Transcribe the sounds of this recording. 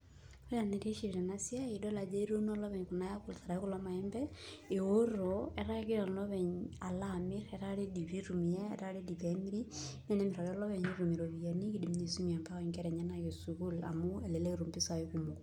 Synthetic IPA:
e˦ja˨ne˨ɾi˦ʃiɾɛ˨na˦si˦a˦idɔ˦la˨d͡ʒe˦i˦ɾo˦nɔ˦lɔ˦βɛ˨ɲku˨na˦ja˦ku˨lta˨ɾa˨i˦ku˦lɔ˦ma˨ɛ˦mbɛe˨o˦ɾoɛ˨ɾa˦ke˦a˨lɔβɛ˨ɲa˨lamɪ˦ɾɛɾa˦ɾe˦di˨βi˦ɾu˨miɛ˦ɛ̰˨ɾa˦ɾe˦di˨pɛmi˦ɾi˦nɛ˦nɛ˦me˨ɾa˨ɾɛ˦ɔ˦lɔ˦βɛ˨ɲiɾu˨mi˨ɾo˨βia˨ni˦ki˦di˨mɲi˨su˦mi˨a˨mba˦ɔɲkɛ˦ɾɛ˨ɲɛ˦na˨kesuku˦la̰˨mu˦e˨le˨le˦ɾu˨mbɪ˦sa˨ekumu˨k

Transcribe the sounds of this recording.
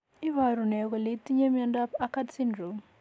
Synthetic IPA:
i˦βa˨ɾu˨nɛ˨ɣɔ˨li˨t̪i˦ɲe˦mja˦nda˦pa˦ka˦dsi˦ndɾu˨m

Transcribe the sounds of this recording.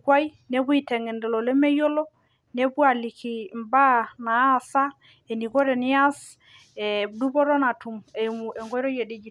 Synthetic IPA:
kwa˦ji˦ | ne˦bu˦i˨tɛ˨ŋɛ˨ndɛ˨lɔ˨lɛ˦mɛ˦jɔ˦lɔ˦ | ne˦bu˦a˨li˨ki˨mba˦naː˨˦sa˦ | e˨ni˨ɡɔ˦ɾɛ˨nɪ˦a˦s | ɛ˨du˦bɔ˦ɾɔ˦na˨tu˨mɛ˨e˨ŋɡɔ˦ɾɔ˦je˨di˦d͡ʒi˨

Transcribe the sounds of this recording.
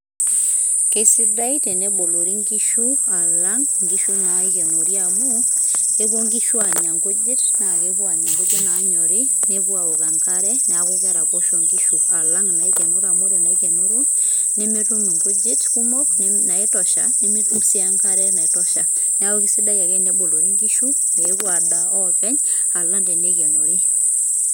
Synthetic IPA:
ke˦si˦da˦i˦te˨ne˦bo˨lo˨ɾi˦ŋɡi˦ʃu˦a˨la˦ŋŋɡi˦ʃu˦na˨i˦ke˨no˨ɾja˨mo˦ | e˦βo˦ŋɡi˦ʃu˦a˨ɲa˨ŋɡo˦d͡ʒi˦tna˨ke˦βwa˨ɲe˨ŋɡo˦d͡ʒi˦naː˨˦ɲɔ˨ɾi˦ne˦βwa˨o˨ka˨ŋka˦ɾɛ˦ne˨a˨ko˦ɣɛ˦ɾa˨po˦ʃo˨ŋɡi˦ʃu˨a˨la˦ŋna˨e˦kɛ˨no˦ɾa˨mo˦ɾe˨na˨i˦kɛ˨no˦ɾo˦ | ne˦mi˦ɾu˦m˨ŋɡo˦d͡ʒi˦tku˦mo˦knna˨e˦tɔ˨ʃa̰˨ne˦mi˦ɾu˦msi˦a˦ŋɡa˦ɾɛ˦na˨e˨tɔ˦ʃa˨ | ne˦a˦o˦ki˦si˦da˦ja˨kɛ˦ne˦bo˨lo˨ɾi˦ŋɡi˦ʃu˦ | ne˨e˦kwa˨da˦ɔ˦kɛ˦ɲ | a˨la˦nde˨ne˦kɛ˨no˨ɾi˦

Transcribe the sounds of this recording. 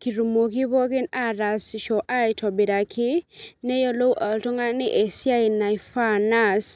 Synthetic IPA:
ki˨ɾu˨mo˨ki˦bɔ˦kɪ˦na˦ɾa˨sʃɔ˨ʔa˦ɪ˨tʰɔ˨bɪ˨ɾa˨kʰɪ˦nɛ˦jɔ˦lo˦wʔa˨ltɔ˦ŋa˦nɪ˦ʔe˨sja˦i˨na˨jfa˦na˦s

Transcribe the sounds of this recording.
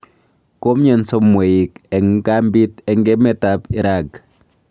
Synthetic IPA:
ko˦mɲɛ˨nso˦mːo˨i˨kɛ˨ŋka˦mbi˦tɛ˨ŋɡɛ˦mɛ˨tapi˨ɾa˨k

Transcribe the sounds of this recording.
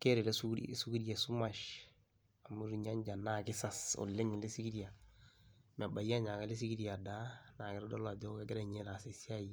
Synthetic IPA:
ke˦ɾe˨le˦su˦su˦ɡi˦dija˨su˦ma˨ʃ | a˨mu˦ɾi˨ɲa˦ɲd͡ʒa˨na˨kɪ˦sa˨so̰˨lːɪ˦ŋi˨lɪ˦si˦ki˦ɾja˨ | ma˨ba˨ja˦ɲa˨ka˦lɪ˦s̬i˦ɡi˦dija˨da˦na˨kɛ˦ɾdɔ˦la˨d͡ʒɔ˦ka˦ɡɪ˦ɾɛ˨ɲe˦la˨se˨sja˦j

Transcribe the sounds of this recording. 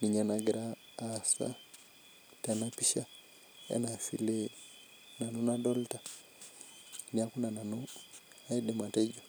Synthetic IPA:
ni˨ɲɛnaɡɛɾaː˦ | sa̰˦ | ta˨na˦pi˦ʃa˦ | ɛ̰˦na˨fḭ˨le | na˨nu˦nadɔ˦lta | nia˦kuna˨na˨nu˦ | a˦i˦de˨ma˨tɛ˦d͡ʒɔ

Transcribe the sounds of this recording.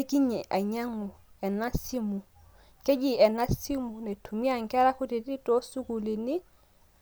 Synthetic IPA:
e˦ki˦ɲɛ˨ʔa˨ɲa˦ŋʊ˨ | ɛ˨na˦si˦mu˨ | kɛ˦d͡ʒi˦ɛ˨na˦si˦mu˨nɛ˨tʰu˨mi˦a˦˨ŋ˨kɛ˦ɾa˦kʊ˦di˨tɪ˦tɔ˦su˦ku˨li˨nɪ˦

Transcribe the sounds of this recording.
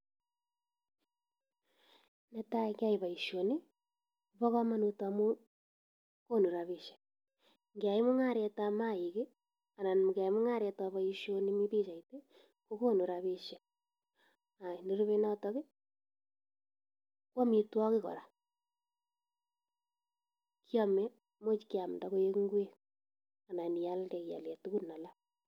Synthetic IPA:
nɛ˦ta˦kja˦i˨βa˨i˨ʃo˨ne˦˨ | βɔ˦ɣa˦ma˦no˨ta˨mo˦ | ko˦no˨ɾa˨βe˨ʃe̥˨ | ŋɡe˨a˨i˦mo˦ŋa˦˨ɾe˨ta˨ma˦i˨ɣe˦ | a˨na˨nm˨ɡa˨i˦mo˦ŋa˦ɾe˨ta˨βa˨i˦ʃo˦ne˦mi˦βe˦ʃa˨i˨te˦ | ko˦ko˦nu˨ɾa˨βe˦ʃe˨ | a˨ne˦ɾu˦βe˦nɔ˦tɔ˦ke˦ | kwɔ˦mi˨twɔ˦kɪ˦kɔ̰˨ɾa˨ | kjɔ˦mɛ˦ | mo˦t͡ʃki˦a˨m˨da˦ko˦je˦kŋɡwe˦ | a˨na˨ni˨ja˦ldɛ˨kja̰˨lɛ˨tu˦ku˦na˨la˦

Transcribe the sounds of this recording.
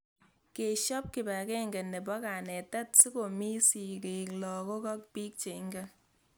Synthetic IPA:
ke˨ʃɔ˦p̚kɪ˨ba˨kɛ˦ŋɡɛ˨ne˨bɔ˦ka˨nɛ˨ta˦t̚si˦ko˨mi˦si˨ke˨klɔ˨ko˦kɔ˦k̚pi˦k̚t͡ʃe˨˦ŋɡa˦

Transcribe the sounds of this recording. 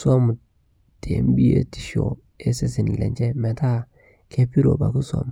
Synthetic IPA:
swa˦mu˨ | tḛ˨˦m˦bi˦jḛ˦ti̥˦ʃo̰˨ | e˦se˦sɪ˨n˨lḛ˨nt͡ʃe˦me˨ta˦ | kʰe˦pi˦ɾo̰˨ba̰˨ku˦swa̰˨m˨

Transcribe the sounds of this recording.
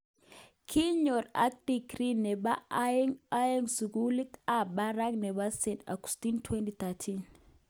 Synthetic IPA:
kʰi˦ɲo˨ɾa̰˦k̚dikɾi˦ne˨ba˦ŋajeŋsu˨ɡuli˦t̪a˨baɾa˦ŋne˨βa˦se˨na̰˨ku̥stintʰwentit̪atʰin

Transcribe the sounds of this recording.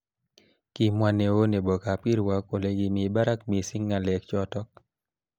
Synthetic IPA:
ki˨mwa˨ne˨o˦ne˨bɔ˨ka˨pi˦ɾwa˦ko˨le˨ɡi˨mi˨ba˦ɾa˦kmi˨si˦ŋːa˨lɛ˨kt͡ʃɔ˦tɔ˦k̚

